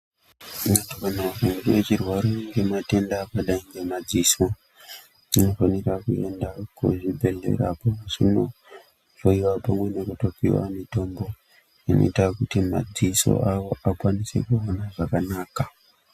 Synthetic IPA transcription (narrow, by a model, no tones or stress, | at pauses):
matokanafuŋɡuet͡ʃirwaɾoŋɡe̞mate̞ndaːkaɗaiŋɡe̞mad͡ziso | ino̞fanirakue̞ndakṵʐibʱe̞ɮe̞̰ɾa̰pomusḭno | foiwapamwe̞nekutokiwa̰nito̞mbo̞ | ino̞̰itakutima̰d͡ziso̞̰ʔawo̞ʔakwanisḛkuonaʐakanaka